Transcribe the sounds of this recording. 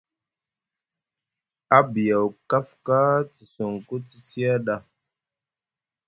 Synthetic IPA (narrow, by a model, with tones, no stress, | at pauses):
a˦bi˨ja˨wka˦fka˦ti˨so˨ŋko˦ti˨si˦a˦ɗa˦˨